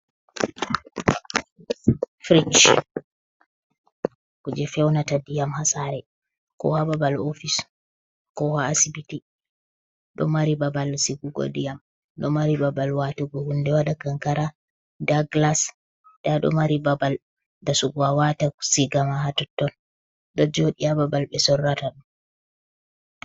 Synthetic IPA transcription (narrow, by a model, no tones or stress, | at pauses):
fɾit͡ʃ | kud͡ʒɛfɛwnatadijamhasaɾɛ | kɔ̰hababalofis | kɔhaːsibiti | ɗɔ̰maɾibabalsiɡuɡɔ̰dijam | ɗɔmaɾibabalwatuɡɔhundɛwadakaŋkaɾa | daɡlas | ɗaɗɔ̰maɾibabal | dasuɡuawatasiɡamaɦatɔtːɔn | ɗɔd͡ʒoɗijababalɓɛsɔrːataɗu